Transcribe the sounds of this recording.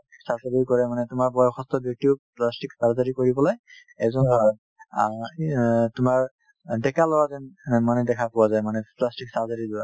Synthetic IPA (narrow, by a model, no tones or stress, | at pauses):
i̥ksaɹzaɹikɔɹɛmanɛtʊmaɹbɔjɔxʰɔstʰɔbɔk̚tiplastiksaɹzaɹikoɹibɔlɔj | ɛzɔn | tʊmaɹ | dɛkalɔɹazɛnmanɛdɛkʰapɔwazajmanɛplastiksaɹzaɹidiwa